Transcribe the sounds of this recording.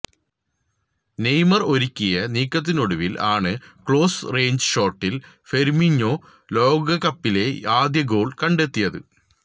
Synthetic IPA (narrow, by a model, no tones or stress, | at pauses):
ne̞jmɐro̞ɾikʲːijɐniːkːɐt̪̬ːinoɽuʋilʔaːɳɨkɭo̞ːsre̞ːɲd͡ʑɨʂo̞ːrʈːil | fe̞ɾmiɲːo̞ː | lo̞ːɡɐkɐpːile̞aːd̪jɐɡo̞ːɭkɐɳɖe̞t̪ːijɐðɨ̰